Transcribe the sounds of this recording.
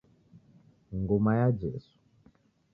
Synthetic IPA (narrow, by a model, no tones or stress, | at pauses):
ŋɡomajad͡ʒḛsu̥